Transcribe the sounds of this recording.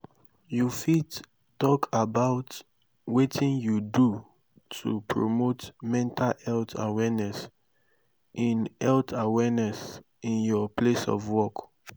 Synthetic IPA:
jufid | tːɔkʰabaʊt | wetʰĩnjudu | tʰṵpʰɹo̰motmɛ̃ntʰalɛltʰa̰wɛnɛs | ʔĩnɛltʰawɛnɛs | ĩnjɔplesɔ̰vwɔk

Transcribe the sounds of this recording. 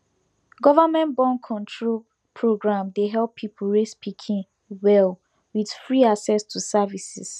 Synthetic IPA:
ɡɔvamɛ̃nbɔ̃nkʰɔ̃ntʰɹol | pʰɹoɡɹãmdeɦɛlˠpʰːipʰl̩ɹespʰikʰĩŋ | wɛl | wid̥fɹiaksɛstʰusavisḭs

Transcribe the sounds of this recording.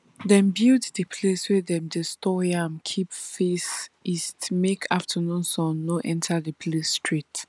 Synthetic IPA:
dɛ̃mbilddəpʰleswɛdɛ̃mdestɔjãmkʰipfesistmekʰaftʰənũnsɔ̃nːoʔɛ̃ntʰadəpʰlesstɹit

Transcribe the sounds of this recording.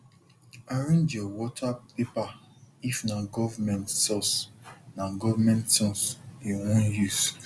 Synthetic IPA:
aɹẽnd͡ʒjɔwɔtʰapepa | ifnaɡɔvamɛ̃ntsɔsnãɡɔvamɛ̃ntsɔ̃sewɔ̃njus

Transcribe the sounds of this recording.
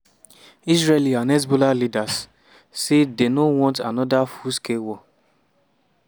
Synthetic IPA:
isɹelianɛs̬bolalidasː | edenowɔ̃ntanɔdafuskewɔ

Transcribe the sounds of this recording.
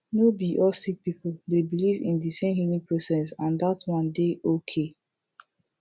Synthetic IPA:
nobiʔɔsik̚pipoldebilivḭ̃ndisẽmhilĩŋpɹosɛsãndatwɔ̃ndeʔokʰe

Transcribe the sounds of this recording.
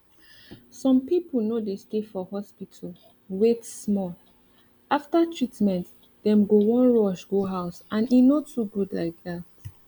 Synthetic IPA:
sɔ̃mpipəl̩nodestefɔhɔspitʰəl | wetsmɔl | aftatʰɹitmɛ̃nt | dɛ̃mɡowɔ̃nɹɔʃɡoɦaʊsãninotːuɡudla̰ɪk̚ðat̚

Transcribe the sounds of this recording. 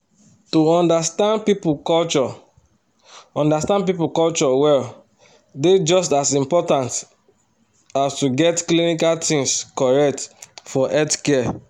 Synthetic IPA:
tuɔ̃ndastãndpipukɔlt͡ʃɔ | ɔ̃ndastãnd̚p̬ipukɔlt͡ʃɔwɛl | ded͡ʒɔstasĩmpɔtãnt | astuɡɛtklinikaltĩŋskɔɹɛk̚tfɔʔɛtkɛ

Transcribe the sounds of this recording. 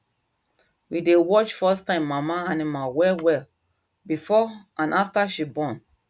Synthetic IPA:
widewɔt͡ʃfɛstãɪ̃mːamaanimawɛlwɛl | bifɔãnʔaftaʃibɔ̃n

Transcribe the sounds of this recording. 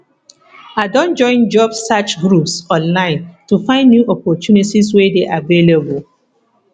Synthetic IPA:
adɔ̃nd͡ʒɔ̃ɪ̃nd͡ʒɔbːat͡ʃɡɾupsɔ̃nlãɪ̃ntufãɪ̃ndːjuʔɔpɔtjunitiswedeʔavelebəl

